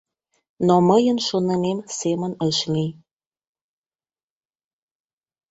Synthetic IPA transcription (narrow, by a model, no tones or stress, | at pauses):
noməjənʃonə̆nemsemənəʃli